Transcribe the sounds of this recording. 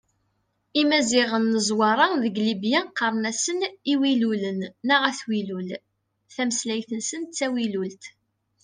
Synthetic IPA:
imæzɪʁənːəzwɑɾˤɑðəɡlibjæqəɾˤnæsəniwilulənːəʁæθwilul | θæməslæjθənsənt͡sːæwilult̪

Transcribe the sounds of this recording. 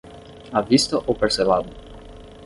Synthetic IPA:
avist̪oʔopeɾselad̪o

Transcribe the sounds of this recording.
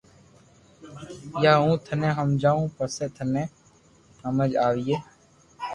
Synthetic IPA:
jaːũːt̪ʰənẽːɦəmd͡ʒaːũːpəseːt̪ʰənẽː | həməd͡ʒaːʋiːeː

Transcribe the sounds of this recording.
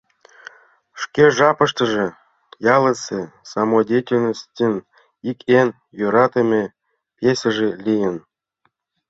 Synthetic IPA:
ʂkʲeʒɑpɤ̆ʃt̪ɤ̆ʒĕ | jɑlˠə̆sesɑmodʲetʲelʲnostʲen | ikʲen | joɾɑt̪ĕmʲe | pʲjesʲə̆ʒelʲijən

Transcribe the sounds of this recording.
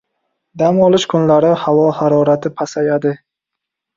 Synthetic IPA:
d̪amɒlˠɪʃkʰʊnlaɾɪhavɒhaɾɒɾat̪ʰɪpʰasajad̪ɪ

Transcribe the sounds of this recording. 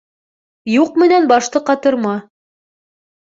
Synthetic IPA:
juqmɘ̆nænbɑʃt̪ɤqɑt̪ɤ̆ɾmɑ

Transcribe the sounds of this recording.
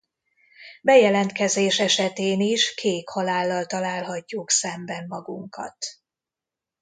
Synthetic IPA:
bɛjɛlɛnt̪kɛzeːʃɛʃɛt̪eːniʃkʰeːkhɒlaːlːɒlt̪ɒlaːlɦɒcːuksɛmbɛmːɒɡuŋkɒ̰t̪

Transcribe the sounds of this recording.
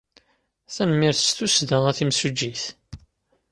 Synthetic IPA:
θænəmːiɾθst̪usðəʁæθimsud͡ʒːiθ

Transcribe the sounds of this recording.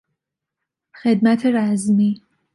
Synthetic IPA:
xe̞d̪̚mæt̪ʰeɾæzmiː

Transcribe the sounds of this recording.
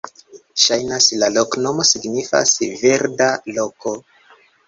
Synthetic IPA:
ʃajnaslalo̞kno̞mo̞siɡnifa̰sve̞ɾdalo̞ko̞

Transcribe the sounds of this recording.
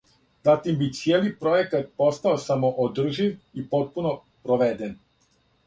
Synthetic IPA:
zat̪imbit̪sjeːlipɾo̞jekat̪̚po̞st̪aosamo̞ʔod̪r̩ʒiʋipo̞t̪̚puno̞ | pɾoʋed̪en

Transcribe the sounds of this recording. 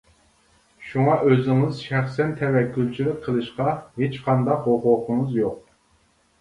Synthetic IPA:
ʃuŋɑʔøzɪŋɪzʃæχsɛnt̪ʰɛvɛkʲʰːylˠt͡ʃʰilɪk̚ʲqʰəlˠɨʃqɑɦet͡ʃqʰɑnd̪ɑqhoχoqʰəŋəzjoq̚

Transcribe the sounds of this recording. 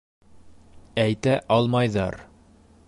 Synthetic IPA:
æjt̪æʔɒlˠmɑjðɑɾ

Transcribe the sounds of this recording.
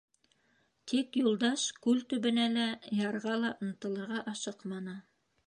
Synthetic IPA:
t̪ʰikjulˠd̪ɑʃkʉlt̪ɵ̆βɘ̆nælæjɑɾʁɑlˠɑʔŏnɤ̆t̪ɤ̆lˠɤ̆ɾʁɑʔɑʃɤqmɑnɤ

